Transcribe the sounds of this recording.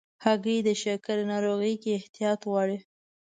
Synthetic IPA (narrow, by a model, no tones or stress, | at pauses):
haɡəd̪əʃakaɾnɑɾoɣəjkeɪht̪ijɑt̪wɑɽi